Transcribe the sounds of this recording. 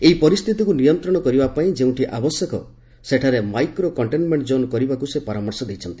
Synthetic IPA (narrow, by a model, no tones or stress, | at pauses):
eipɔɾist̪ʰit̪ikunijɔnt̪ɾɔɽ̃ɔkɔɾibapaĩd͡ʒeũʈʰiʔabɔsjɔkɔ̰ | seʈʰaɾemajkɾokɔɳʈenmeɳʈd͡ʒonkɔɾibakusepɔɾamɔɾsɔd̪ejt͡ʃʰɔnt̪i̥